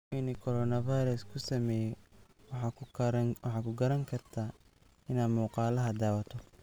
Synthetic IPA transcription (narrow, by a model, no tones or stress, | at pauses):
winɪkʰɔɾɔːnɐvajɾɐskʰʊsɐmɛːjɛ | ɑ | wɑħɑːkʰʊɡɐɾɐŋkʰɐrt̪ʰaː | ɪnaːd̪muːqɑːlɐɦɐd̪aːwɐt̪ʰɔ